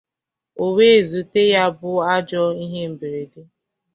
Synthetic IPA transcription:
o˨we˦e˨zu˨te˦ja˦bʊ˦a˦d͡ʒɔ˦i˦ɦe˦m̩˨be˨ɾe˨dɪ˦

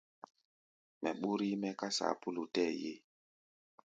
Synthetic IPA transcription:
mɛ˨ɓu˦ɾi˦mɛ˦ka˦sa̰˨pu˦lu˨tɛ˦˨je˦

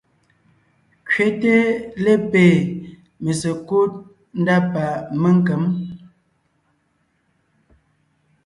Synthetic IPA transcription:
kɥe˨˦te˦le˦peː˨ | me˨sə˨ko˦t̚ | n̩˦da˦pa˨mə˦ŋ˦kə˨˦m

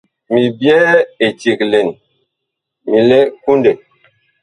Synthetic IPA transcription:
mi˨bjɛː˦e˨t͡ʃi˨kle˨n˨ | mi˨le˦ku˦nde˨

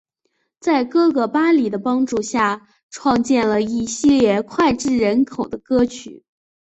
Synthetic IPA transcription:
t͡sa˥˩ɪkɤ˥ɡɤ˧˩pa˥li˨˩d̪ə˦pɑ˥ŋʈ͡ʂu˥˧ɕja˥˩ | ʈ͡ʂʰwɑ˥˧ŋt͡ɕjɛ˥˩nlə˩i˥˩ɕi˥˧ljɛ˥˩kʰwa˥˧ɪʈ͡ʂɻ̩˥˩ɻə˧˥nkʰo˨˩ʊd̪ə˦kɤ˥t͡ɕʰy˨˩˦

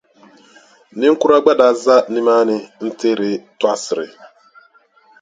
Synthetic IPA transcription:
nɪ˦ŋ̩˦ku˦ɾa˦ɡ͡ba˦da˨za˦ni˦ma˦nɪ˦n̩˦tɪ˦ɾɪ˨twa˦sɪ˨ɾɪ̰˨

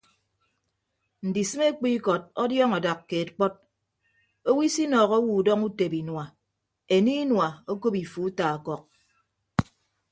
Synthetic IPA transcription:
n̩˨di˨sɨ˦me˦k͡pi˦kɔ˨t̚ɔ˦djɔ˦ŋɔ˨da˨kːe˨tk͡pɔ˦t̚ | o˦wi˦si˦nɔː˨ɣo˦wu˨dɔ˦ŋu˦te˨bi˨nwa˨ | e˨niː˦nwa˨o˦ko˦pi˨fu˨˦ta˨kɔ˦˨k̚

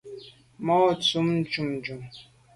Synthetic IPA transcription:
mɔ˦˨t͡su˨˦mn̩˦d͡ʒu˨md͡ʒu˨m

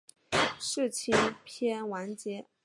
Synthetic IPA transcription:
ʂɻ̩˥˩t͡ɕʰi˥npʰjɛ˥nwa˧˥nt͡ɕjɛ˧˥

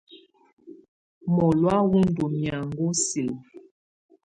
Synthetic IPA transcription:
mɔ˨lwa˦wu˦n˦du˨mja˨ŋ˦ɡo˦si˨l

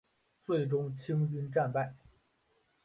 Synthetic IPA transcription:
t͡swe˥˩ɪʈ͡ʂʊ˥ŋt͡ɕʰi˥ŋt͡ɕy˥nʈ͡ʂa˥˧npa˥˩ɪ

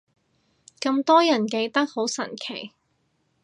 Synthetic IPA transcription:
kɐ˧mt̪ɔː˥jɐ˨˩nke˧jt̪ɐ˥k̚ho˨˥wsɐ̰˨˩nkʰḛ˨˩j

